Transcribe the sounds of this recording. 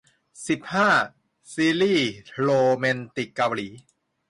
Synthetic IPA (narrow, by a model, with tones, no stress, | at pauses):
si˨˩p̚haː˥˩ | siː˧liː˥˩loː˧me˧nt̪i˨˩kːa˧wliː˩˦